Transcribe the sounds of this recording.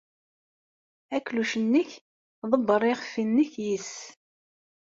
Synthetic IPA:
ækːluʃənːəç | ðˤəbːəɾˤiχə̥fːinːəçjis

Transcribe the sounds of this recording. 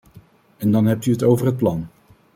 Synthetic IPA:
ɛndɑnɦɛp̚tyɦətowvəɹɦət̚plɑn

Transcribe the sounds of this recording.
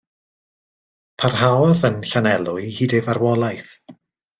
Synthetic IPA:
pʰarɦawɔðənɬanɛlˠʊɨhiːdɛvarwɔlˠajθ

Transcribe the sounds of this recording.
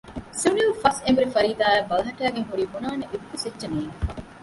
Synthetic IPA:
siunilfɐsembuɾefɐɾiːd̪aːæbɐlɐɦɐʈæːɡeŋɦuɾiːbunaːneʔit̪k̪ːusetːɐniːŋ

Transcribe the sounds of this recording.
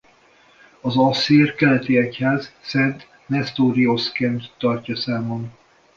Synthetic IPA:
ɒzɒseːrkɛlɛt̪iɛchaːzsɛnt̪ | nɛst̪oɾioskɛnt̪ːɒrcɒsaːmon

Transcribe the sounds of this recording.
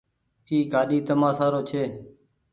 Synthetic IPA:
iːkaːɗiːt̪əmãːsaːɾoːt͡ʃʰeː

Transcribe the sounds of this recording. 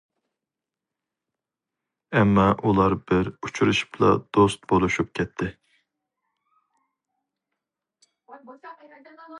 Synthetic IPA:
ɛmːɑʔulˠɑɾbɪɾut͡ʃʰuɾuʃu̥pʰlˠɑ̰d̪̥ost̪̚bolˠuʃup̚kʲʰɛt̪ʰːɪ

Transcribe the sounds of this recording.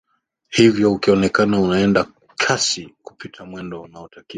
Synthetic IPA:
hivjɔukiɔnɛkanaunaɛnda | kʰasiku̥pʰitʰamwɛndɔunaɔtaki

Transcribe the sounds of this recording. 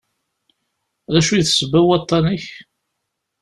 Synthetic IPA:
ðæʃujθsəbæwɑt̪ˤːɑniç

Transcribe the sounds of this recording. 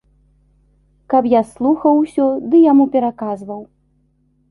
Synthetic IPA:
kɐpjaslˠuxɐwsʲɔd̪ɨjamupʲɛɾakazvɐw

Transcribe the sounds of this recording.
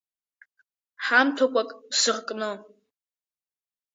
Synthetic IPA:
ħamtʰokʷʼakʼpsɨʁkʼnɨ

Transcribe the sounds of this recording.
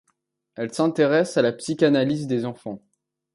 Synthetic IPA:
ɛlsɛ̃t̪eʁɛsalapsikʲanalizd̪ezɑ̃fɑ̃

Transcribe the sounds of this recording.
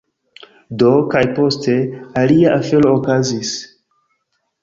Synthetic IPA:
do̞kajpo̞stʰe̞aliaʔafe̞lo̞ːkazis

